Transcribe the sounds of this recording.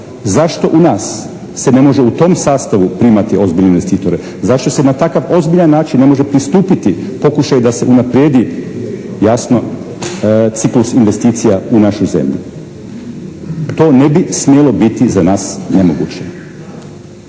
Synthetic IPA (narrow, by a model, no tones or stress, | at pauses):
zaʃt̪o̞ʔunaːsː | e̞ne̞mo̞ʒeut̪o̞ːmsaːst̪aʋupɾimat̪io̞zbiʎneinʋe̞st̪iːt̪o̞ɾe | zaʃt̪o̞se̞nat̪akaʋo̞zbiʎanːaːt͡ʃinːe̞mo̞ʒe̞pɾist̪uːpit̪ipo̞kuʃajud̪ase̞ʔunapɾjeːd̪i | jasno̞ | t̪siklusinʋe̞st̪iːt̪sijaunaʃujze̞̰mʎṵ | t̪o̞ːne̞bismjelo̞bit̪izanaːsne̞moɡṵt͡ɕe